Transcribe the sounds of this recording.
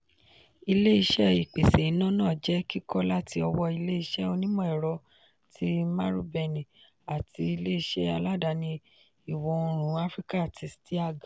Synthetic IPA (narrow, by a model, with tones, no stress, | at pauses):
i˧le˦i˧ʃɛ˦i˨k͡pe˨se˨i˨˦nã˦nãː˦˨d͡ʒɛ˦ki˦kʰɔ˦la˦tʰi˧ɔ˧wɔ˧i˧le˦i˧ʃɛ˦o˧nĩ˦mɔ̃˦˨ɛ˨ɾɔ˧ | tʰi˧ma˦ɾṵ˦bɛ˧nĩ˨ | a˨ti˧i˧le˦i˧ʃɛ˦a˧la˦˨da˧˦nĩ˧ | i˨wɔ̃˨˦˧ɾ̃ũ˨˦a˦fɾi˦ka˦˨ti˨˦sti˦a˦˨ɡa˨